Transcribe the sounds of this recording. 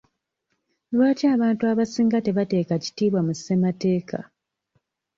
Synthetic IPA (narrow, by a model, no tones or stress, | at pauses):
lwaːtiaːβaːntuaβasiːŋɡate̞βate̞ːkaci̥tiːβwamussemate̞ːkʰa̰